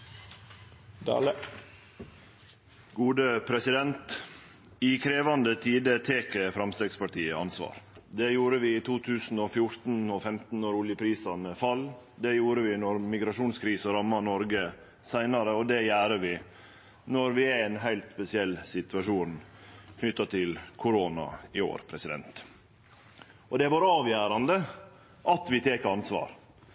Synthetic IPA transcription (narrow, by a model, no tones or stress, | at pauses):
d̪ɑ̰lə | ɡuːd̪əpʰɾɛsɪd̪ɛnt̪ | ɪkʰɾeːʋɑnd̪ət̪ʰiːd̪ət̪ʰeːkəfɾɑmst̪eːɡspɑʈiːəɑ̰nsʋɑ̰ːɾd̪ɛjuːɾəʋɪːt̪ʰuːt̪ʰʉːsn̩ɔfjʊɾt̪n̩ɔfɛmt̪n̩nɔɾʊljəpʰɾiːsɑnəfɑld̪ɛjuːɾəʋɪnɔɾmɪɡɾɑʂuːnskʰɾiːsəɾɑmːɑnɔɾɡə | sæɪnɑɾəɔd̪ɛjæːɾəʋɪ | nɔɾʋɪæænɦæɪlt̪spɛsɪɛlːsɪt̪ʉɑʂuːnkʰnʏt̪ːɑt̪ʰɪlkʰʊɾoːnɑ̰ɪo̰ːɾpʰɾɛsɪd̪ɛ̰nt̪ | ɔd̪ɛʋɑɾɑːʋjæːɾɑnd̪ə | ʔɑt̪ʋɪt̪ʰeːkɑnsʋɑ̰ːɾ